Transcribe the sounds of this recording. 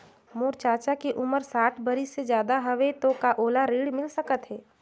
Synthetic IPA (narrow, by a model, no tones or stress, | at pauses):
moːɾt͡ʃaːt͡ʃakiʔʊməɾsaːʈʰbəɾisezjaːd̪aɦɐʋet̪okaʔoːlaɾiːɽmɪlsəkət̪ɦɛː